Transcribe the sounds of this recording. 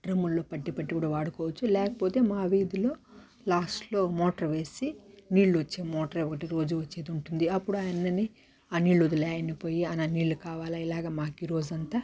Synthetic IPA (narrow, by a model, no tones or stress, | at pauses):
ɖɾɐmːullo̞ːpɐɖːipɐʈːikuːɽaːʋaːɽukɔːʋɐt͡ʃːulɛːkɐpo̞ːt̪e̞ːmaːʋiːd̪ilo̞ː | laːsʈlo̞ːmɔːʈɐɾʋe̞ːsiniːɭluʋɐt͡ʃːeːmɔːʈɐɾeɔkɐʈiɾo̞ːd͡ʒuʋɐt͡ʃːeːd̪uɳʈund̪iɐpːuɽuaːjɐnːɐnːi | aːniːɭːlod̪ulaːjɐnipo̞ːjiɐnaːniːɭːukaːʋaːlaːilaːɡaːmaːkiɾo̞ːd͡ʒɐnt̪aː